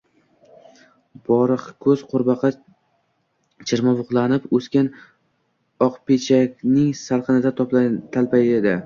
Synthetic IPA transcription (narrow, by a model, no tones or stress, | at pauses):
b̥ɒɾɨqkʰɵzqʰoɾbɑqʰɑ | t͡ʃʰɪɾmavʊqlˠanɪpɵskʲan | ɒqpʰet͡ʃʰakʲnɪŋsaɾqɨnɪd̪at̪ʰɒpt̪ʰalpajed̪ɪ